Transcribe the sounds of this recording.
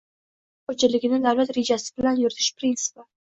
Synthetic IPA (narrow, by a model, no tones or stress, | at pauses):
ot͡ʃʰɪlɪɡʲɪnɪd̪awlat̪ɾe̞d͡ʒasɪ̥bɪlanjʊɾɪt̪ʰɪ̥ʃpɾint̪sɪ̥pa